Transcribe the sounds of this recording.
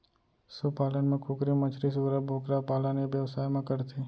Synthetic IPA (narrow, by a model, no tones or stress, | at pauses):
supaːlənmẽkʰʊkɾimət͡ʃʰɾis̬uːɾəbʱoːkɾapaːlənebjəʋsaːjmãkəɾt̪ʰiː